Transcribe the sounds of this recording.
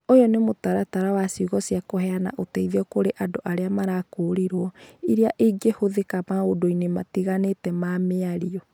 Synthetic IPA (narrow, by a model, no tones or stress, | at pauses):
ojɔnemotaɾataɾawasiuɣɔsiakoɦɛana̰ʔotɛiðeɔkoɾeʔadoʔaɾeamaɾakoɾeɾwɔiɾeaʔeɡehoðekamaodoinematiɣanetɛmameaɾiɔ